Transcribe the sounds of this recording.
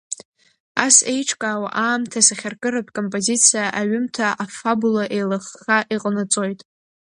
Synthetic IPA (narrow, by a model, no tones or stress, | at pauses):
a̰se̞jʈ͡ʂʰʼkʼaːwa̰ʔaːmtʰasaχʲarkʼɨrapʰʼkʼo̞mpʼozit͡sʰijaʔaɥʊmtʰaʔafabulaʔe̞jlaχːaʔiqʼənɨt͡sʼo̞jtʼ